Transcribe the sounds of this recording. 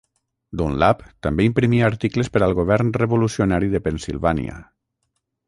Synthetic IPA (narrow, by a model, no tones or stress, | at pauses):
d̪unlapt̪ambeimpɾimiaːɾt̪ikləspəɾalˠɣoβɛɾnreβolusionaɾiðəpensilˠβanḭə̰